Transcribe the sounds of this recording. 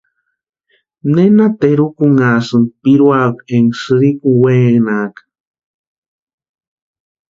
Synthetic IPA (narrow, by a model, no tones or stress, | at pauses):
nenat̪eɾukuŋasɨnpiɾwakeŋsɨɾikuweːnaːkḁ